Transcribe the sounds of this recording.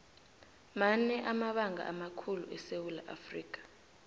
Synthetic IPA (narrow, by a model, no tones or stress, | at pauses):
manɛʔamaɓaŋʱa̰ʔamakʰulṵʔɛsewulaʔa̰friːk̬ʰʼḁ